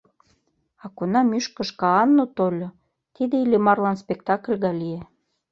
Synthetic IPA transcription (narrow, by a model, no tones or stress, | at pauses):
ɑkonɑmyʃkə̆ʃkɑɑnːot̪olʲo | t̪id̪eilʲemɑrlɑnspekt̪ɑklʲɣɑlie